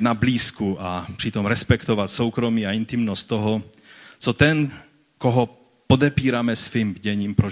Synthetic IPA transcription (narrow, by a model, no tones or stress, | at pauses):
nabliːskuapr̝̥it̪omɾɛspɛkt̪ɔvat̪sowkɾomiːaint̪imnɔst̪t̪ːɔɦɔ | t͡sɔt̪ɛn | kɔɦɔ | pod̪ɛpiːɾamɛsviːmɟɛɲiːmpɾo